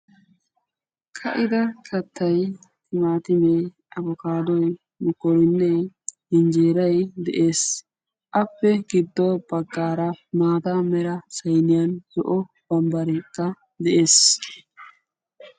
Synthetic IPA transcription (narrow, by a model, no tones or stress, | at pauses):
kʰɐʔɪd̪ɐkʰɐt̪ːɐjt̪ɪmaːt̪ɪme | ʔɐbɔkaːd̪ɔj | mʊkːɔɾɪnːɛhɪnd͡ʒeːɾɐjd̪ɛ̰ʔe̞ːs | ʔɐpːɛɡɪd̪ːɔbɐɡːaːɾɐmaːt̪amɛɾɐsɐjnɪjɐnsɔʔɔ | b̥ɐmbɐɾɛkːɐ | d̪ɛʔeːs